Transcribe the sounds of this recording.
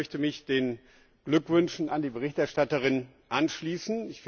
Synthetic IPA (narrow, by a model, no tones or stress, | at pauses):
œçtəmɪçd̥eːn | ɡ̥lʏkv̥ʏnʃn̩andiːbəʁɪçtɛɐʃtatəʁ̞ɪn | ʔanʃliːsn̩ɪçf